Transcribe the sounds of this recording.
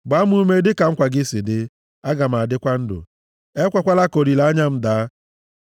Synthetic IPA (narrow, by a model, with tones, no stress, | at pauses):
ɡ͡ba˨˦m̩˦u˦me˦dɪ˦ka˨ŋ͡m̩˦kʷa˨ɡɪ˦sɪ˨dɪ˦ | a˦ɡa˨m̩˨a˨dɪ˦kʷa˦n̩˦dʊ̰˨ | e˦kʷa˦kʷa˦la˦ko˨ɾi˨la˦ɲa˦m̩˦da˨˦